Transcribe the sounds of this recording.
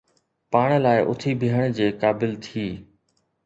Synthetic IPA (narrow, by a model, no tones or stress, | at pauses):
paːɽ̃laːɪʔʊt̪ʰibʱiɦəɽ̃d͡ʑeːkaːbɪlt̪ʰiː